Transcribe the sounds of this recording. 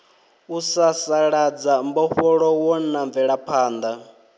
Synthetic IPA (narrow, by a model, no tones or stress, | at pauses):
usasaɺad͡zambɔɸɔɺɔwɔnaɱvɛɺapʰaːnd̪a